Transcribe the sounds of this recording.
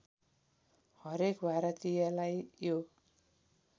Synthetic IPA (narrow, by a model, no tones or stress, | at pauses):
hʌɾekbaɾʌt̪ijalajjo